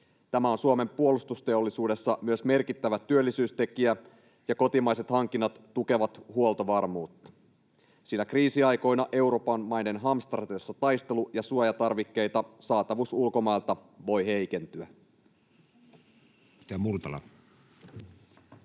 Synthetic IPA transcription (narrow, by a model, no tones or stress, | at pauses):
t̪æmæonsuome̞mpuo̞lust̪ust̪e̞o̞lːisuːde̞sːɑmyøsme̞rkit̪ːæʋæt̪yølːisyːst̪e̞kiæ | jɑko̞t̪imɑjse̞t̪hɑŋk̟ːinːɑt̪ːuke̞ʋɑt̪huolˠt̪oʋɑrmuːt̪ːɑ̥ | sinækriːsiɑjko̞jnɑʔe̞uɾo̞pɑnmɑjne̞nɦɑmst̪ɑrt̪esːɑt̪ɑjst̪e̞lujɑsuojɑt̪ɑrʋikːe̞jt̪ɑsɑːt̪ɑʋusulko̞mɑjlt̪ɑʋo̞jɦe̞jke̞nt̪yæ̰ | t̪æmurt̪ɑlɑ̰